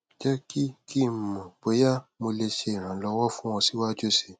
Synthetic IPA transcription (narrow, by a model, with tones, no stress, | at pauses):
d͡ʒɛ˦ki˦kʰi˦˨mũ˨bo˨˦ja˦mo˧le˧ʃe˧i˨ɾ̃ã˨˦lɔ˧wɔ˦fũ˦w̃ɔ̃˧si˦wa˦d͡ʒo˦se˨